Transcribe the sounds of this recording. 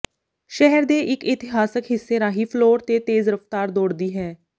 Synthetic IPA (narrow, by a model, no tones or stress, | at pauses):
ʃɛɦəɾd̪eːʔɪkɪt̪ɪɦaːsəkɦɪsːeːɾaːɦiːpʰloːɾt̪eːt̪eːzɾəpt̪aːɾd̪oːɽd̪iːɦɛː